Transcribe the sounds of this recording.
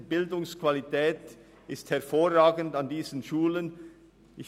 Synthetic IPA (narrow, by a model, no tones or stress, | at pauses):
bɪldʊŋskv̥alitɛːt | ɪsthɛɐfoːʁaːɡəntandiːzənʃuːlən | ʔɪç